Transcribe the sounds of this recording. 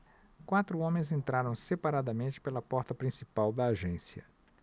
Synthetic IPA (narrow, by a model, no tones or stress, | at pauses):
kwat̪ɾʊõmẽj̃zẽnt̪ɾaɾɐ̃w̃sepaɾad̪ɐmẽnt͡ʃɪ̥pelɐpɔɾt̪ɐpɾĩsipawd̪ɐːʒẽsjɐ̰